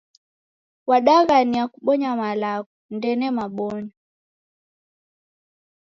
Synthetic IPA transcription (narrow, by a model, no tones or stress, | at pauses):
waɗaɣaniakuɓɔɲamalakɔndɛnɛmaɓɔɲɔ